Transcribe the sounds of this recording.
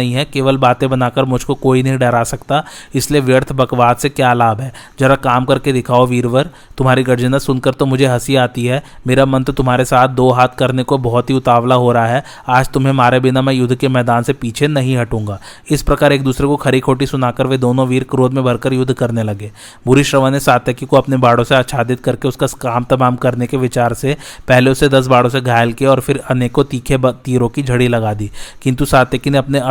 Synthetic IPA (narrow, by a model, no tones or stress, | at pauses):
ɦĩɦɛkeːʋəlbaːt̪ẽbɐnaːkəɾmʊd͡ʒʱkokoːinɐɦĩɖɛːɾaːsɐkt̪aɪslieʋjəɾt̪ʰbɐkʋaːd̪sekjaːlaːbʱɦɛː | d͡ʒɐɾakaːmkɐɾked̪ɪkʰaːoʋiːɾʋəɾ | t̪ʊmɦaːɾiɡɐɾd͡ʒənasʊnkəɾt̪omʊd͡ʒʱeɦɐsiaːt̪iɦɛː | meːɾamɐ̃nt̪ɾt̪ʊmɦaːɾesaːt̪̚ʰd̪oːɦaːt̪ʰkɐɾnekobɔɦɔt̪ɦiʊt̪aːʋlaɦoːɾɐɦaɦɛː | aːd͡ʒt̪ʊmɦẽmaːɾebɪnamẽjʊd̪ʱːkemɛːd̪aːnsepiːt͡ʃʰenɐɦĩɦɐʈũːŋɡaː | ɪspɾɐkaːɾeːk̚d̪uːsɾekokʰɐɾikʰoːʈisʊnaːkəɾʋed̪oːnõʋiːɾkɾoːd̪mẽbʱɐɾkəɾjʊd̪ʱkɐɾnelɐɡeː | bʊɾiʃɾɐʋanesaːt̪jəkikoɐpnebaːɽõseaːt̪ʃʰaːd̪ɪt̪̚kɐɾkeʊskaskaːmt̪ɐbaːmkɐɾnekeʋɪt͡ʃaːɾsepɛɦleʊsed̪ɐs̬baːɽõs̬eɡʱaːjəlkiɔːɾfʰɪɾɐneːkot̪iːkʰet̪iːɾõkid͡ʒʱɐɽilɐɡaːd̪iːkɪ̃nt̪usaːt̪jəkineɐpneɐ